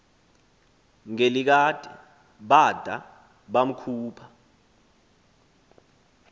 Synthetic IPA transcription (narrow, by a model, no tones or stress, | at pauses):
ŋelik̬adʱʼɛ | ɓad̥ʱa̰ | ɓam̩kʰuːpʰa